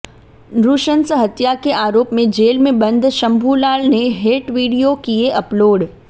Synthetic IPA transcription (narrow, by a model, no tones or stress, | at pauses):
ɾuːʃənsɦɐt̪jakeaːɾoːpmẽd͡ʑeːlmẽbɐ̃nd̪ʱʃɐ̃mbʱuːlaːlnẽɦeːʈʋiːɽijokieʔɐploːɽ